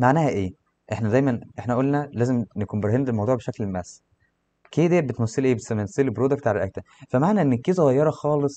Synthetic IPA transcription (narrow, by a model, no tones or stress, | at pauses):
maʕnæːhæʔeː | ʔeħnæd̪æjmænʔeħnæʔolːnælæːzemnekuːmbeɾɦend̪elmɑwd̪uːʕbeʃæklmæs | keːd̪ææbet̪mæsːelʔeːbesmæsːelbɾoːd̪æk̚t̪ʕalælʔæk̚t̪ænfæmaʕnæʔenːkːiːzoɣɑjːɑɾˤɑxɑːlesˤ